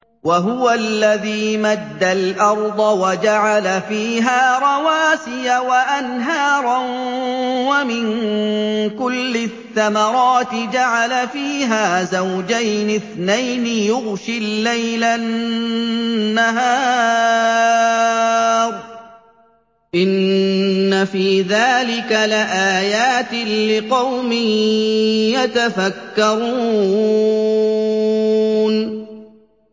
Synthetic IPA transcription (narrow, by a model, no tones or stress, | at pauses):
waɦʊwalːaðiːmad̪ːalʔɑɾˤd̪ˤɑwad͡ʒaʕalafiːɦaːɾˤɑwaːsɪjawaʔanɦaːɾˤɑn | wamɪn | kʊlːɪθːamɑɾˤɑːt̪ɪd͡ʒaʕalafiːɦaːzawd͡ʒajnɪθnajnɪjʊɣʃilːajla | nːaɦaː | ɾˤ | ʔɪnː | afiːðaːlɪkalɪʔaːjaːt̪ɪlɪqɑwmɪh | jat̪afakːɑɾˤuː | n